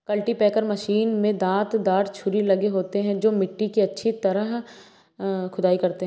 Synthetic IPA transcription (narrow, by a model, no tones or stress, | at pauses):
kɐlʈipɛːkəɾmɐʃiːnmẽd̪ãːt̪d̪aːʈt͡ʃʰʊɾilɐɡeɦoːt̪eɦɛ̃d͡ʒoːmɪʈːikiɐtːʃʰit̪ɐɾəɦ | kʰʊd̪aːikɐɾt̪eɦɛ̃